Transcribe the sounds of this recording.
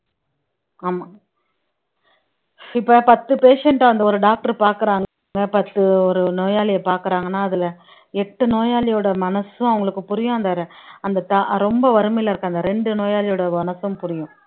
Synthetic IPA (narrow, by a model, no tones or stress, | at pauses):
aːmaː | ɪpːɐpɐt̪ːɯpeːʂɛɳʈaːʋɐnd̪ɐɔɾɯɖaːk̚ʈɐɾpaːɾkɯɾaːŋɡ | ɡɐpɐt̪ːɯɔɾɯnoːjaːlɪjɐpaːɾkɯɾaːŋɡɐnːaːɐðɪlɐ | ɛʈːɯnoːjaːlɪjoːɽɐmɐnɐsʊ̃ɐʋɐŋɡɐɭɯkːɯpʊɾɪjʊ̃ɐnd̪aːɾɐɐnd̪ɐt̪aɾɔmbɐʋɐɾɯmɐɪlɐɪɾɯkːaːnd̪ɐɾɛɳɖɯnoːjaːlɪjoːɽɐmɐnɐsʊmpʊɾɪjʊ̃